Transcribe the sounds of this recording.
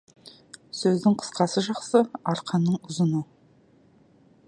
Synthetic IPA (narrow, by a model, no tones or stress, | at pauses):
sɵzd̪ɪŋqʰə̥sqɑsəʒɑqsəɑɾqʰɑnːəɴʊzənə